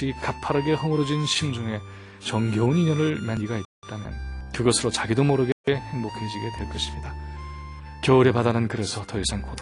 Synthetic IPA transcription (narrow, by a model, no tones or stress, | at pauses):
ikapʰaɾaɡehʌmɯɾʌd͡ʑinɕʰimd͡ʑoŋe̞ | t͡ɕʌŋɡjʌuniɲʌnɯɭmjaɲiɡait̚t͈amjʌ̰nkɯɡʌsʰɯɾot͡ɕaɡidomʌɾɯɡeeheŋbokʰind͡ʑiɡe̞twe̞ɭk͈ʌɕʰi̥mɲida | kjʌɯɾe̞padanɯnkɯɾe̞sʰʌtʌisʰaŋkod